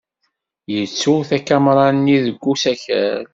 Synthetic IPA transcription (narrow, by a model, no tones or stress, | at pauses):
jət͡sːuθækːæmɾˤɑnniðəɡʷːusæçæ̰l